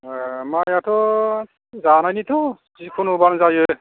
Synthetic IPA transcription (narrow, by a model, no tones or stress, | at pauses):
majatɔ | zanajnit̪ɔ | zikʰunʊbanzajo